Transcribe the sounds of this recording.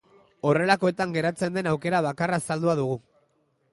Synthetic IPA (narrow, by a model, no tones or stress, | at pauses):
o̞re̞lako̞e̞t̪aŋɡe̞ɾat͡se̞nd̪e̞nawke̞ɾaβ̞akarasald̪uaðuɣ̞u